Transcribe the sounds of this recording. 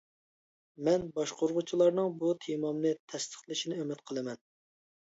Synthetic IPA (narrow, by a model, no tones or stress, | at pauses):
mɛnbɑʃqʰoɾʁʊt͡ʃʰilˠɑɾnɨŋbut̪ʰemɑmnɨt̪ʰɛst̪ʰə̥χlˠɨʃinɪømɪt̪qʰəlˠɨmɛn